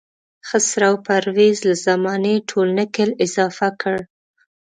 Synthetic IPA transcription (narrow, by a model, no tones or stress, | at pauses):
xəsɾawpaɾwezlazamɑneʈʰolnəkelɪzɑfakəɽ